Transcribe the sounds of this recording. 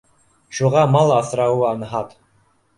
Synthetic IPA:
ʃuʁɑmɑlˠɑθɾɑwuɑnɦɑt̪

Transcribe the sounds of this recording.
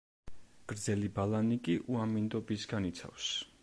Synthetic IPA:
ɡ̥ɾd̪zɛlibalanikʼiʔuamind̪ɔbisɡanit̪sʰa̰fs

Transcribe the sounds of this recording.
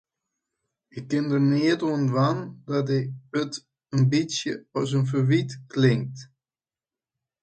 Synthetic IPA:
əkːɪndəɹniətoənʋandɑtɛət | ənbisjə̰ɔs̬ənfəʋitklɪŋk̚t

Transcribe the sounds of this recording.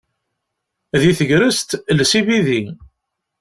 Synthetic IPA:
ðiθəʝɾəst̪lsiviði

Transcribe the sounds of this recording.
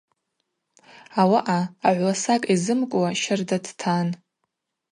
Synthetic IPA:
awaʔaːʕʷlasakʼizɨmkʷʼwaʃardadtʰan

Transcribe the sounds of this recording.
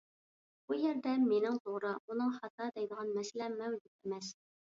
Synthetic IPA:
b̥ujɛɾd̪ɛmenɪŋt̪ʰoʁɾɨmunɨŋχɑt̪ʰɑd̪ɛjd̪əʁɑnmɛsɪlɛmmːɛwd͡ʒut̪̚emɛs

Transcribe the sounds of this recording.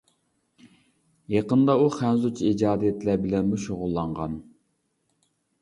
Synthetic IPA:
jɑqənd̪ɑuχænzut͡ʃʰiid͡ʒɑːd̪ijɛt̪læɾbɪlɛnmuʃoʁʊlˠːɑɴʁɑn

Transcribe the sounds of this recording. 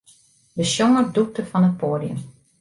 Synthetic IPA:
dəsjɔŋəduk̚təfɑnət̚poːdiə̰m

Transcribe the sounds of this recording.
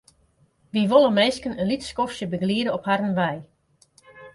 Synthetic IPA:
ʋiʋolˠəmeːskənənlitskɔfsjəbəɡliədəɔphaɾənʋɛj

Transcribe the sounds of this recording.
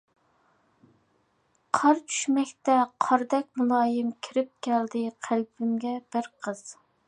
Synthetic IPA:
qʰɑɾt͡ʃʰy̥ʃmɛkʲt̪ɛqʰɑɾd̪ɛkʲmulˠɑːjɪmkʲʰiɾɪp̚kʲʰæld̪ɪqʰælbɪmɡʲɛb̥ɪɾqʰəz̥

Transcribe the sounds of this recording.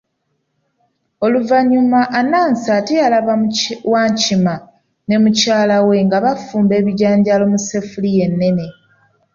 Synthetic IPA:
o̞luvaɲumaʔːnaːnsatialaβawaːɲcima | ne̞mucaːlawe̞ŋɡaβafuːmbe̞ːβiɟaːɲɟalo̞muse̞fulije̞nːe̞ne̞

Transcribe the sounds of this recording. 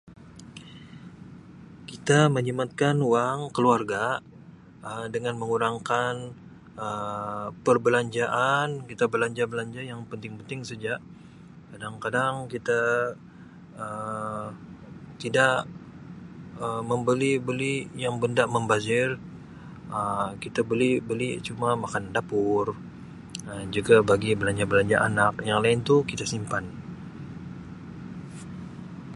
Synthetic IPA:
kit̪aməɲimat̪̚kanuwaŋkəluarɡa | ədəŋanməŋuɾaŋkan | əpərbəlaɲd͡ʒaʔankit̪abəlaɲd͡ʒabəlaɲd͡ʒajaŋpənt̪ɪŋpənt̪ɪŋsəd͡ʒaʔ | kadaŋkadaŋkit̪a | ə | t̪idaʔ | əməmbəlibəlijaŋbəndaʔməmbazɪr | əkit̪abəlibəlit͡ʃumamakandapʊr | əd͡ʒuɡabaɡibəlaɲd͡ʒabəlaɲd͡ʒaʔanakjaŋlaɪnt̪ukit̪asimpan

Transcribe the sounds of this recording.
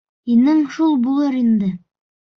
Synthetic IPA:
inɘŋʃulˠbulˠɤɾind̪ɘ

